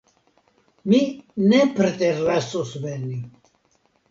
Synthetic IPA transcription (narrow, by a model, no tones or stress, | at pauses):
minɛpʰɾt̪ʼɛrːɛsusvɛni